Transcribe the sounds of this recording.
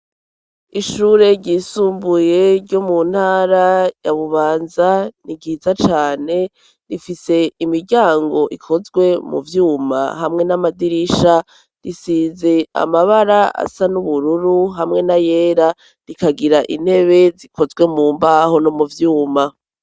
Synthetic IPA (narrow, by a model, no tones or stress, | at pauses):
iʃuːɾe̞ɾɟiːsuːmbuje̞ɾɟomun̥haːɾajaβuβaːnzaniɡiːzat͡ʃaːne̞ | ɾifise̞imiɾɟaːŋɡo̞ʔikʰo̞zɡwe̞mṵvjuːma̰hamŋe̞namadiɾiʃa | ɾisiːze̞a̰maβaɾaa̰sanuβuɾuɾuɦamŋe̞naje̞ːɾa | ɾikaɡiɾaʔḭn̥he̞βe̞zikʰo̞zɡwe̞muːmbaho̞nomuvjuːma